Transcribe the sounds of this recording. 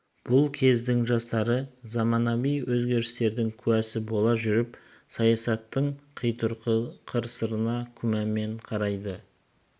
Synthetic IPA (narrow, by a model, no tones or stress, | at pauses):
b̥ʊlˠkʲʰe̞zd̪ɪŋʒɑst̪ɑɾəzɑmɑnɑbijwɵzɡʲe̞ɾɪst̪e̞ɾd̪ɪŋkʲʰʉæsɪbo̞lˠɑʒʏɾɪp | sɑjɑsɑt̪ːəɴqʰəjt̪ʊɾqʰəɾsəɾənɑkʲʰʏmæme̞ɴqʰɑɾɑjd̪ə